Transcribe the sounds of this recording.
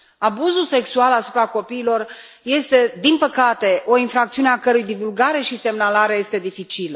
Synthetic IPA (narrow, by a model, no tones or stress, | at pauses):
abuzulse̞ksualasupɾako̞piːlo̞r | je̞st̪e̞d̪inpəkat̪e̞ʔo̞infɾakt̪siuneakəɾujd̪ivulɡaɾe̞ʃise̞mnalaɾe̞je̞st̪e̞d̪ifit͡ʃilə